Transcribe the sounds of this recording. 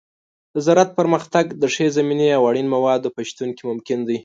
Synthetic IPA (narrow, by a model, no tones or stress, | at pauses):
d̪əzaɾat̪̚pəɾməxt̪aɡd̪əʂezamineawaɽinmawɑd̪opaʃt̪unkimʊmkɪnd̪əj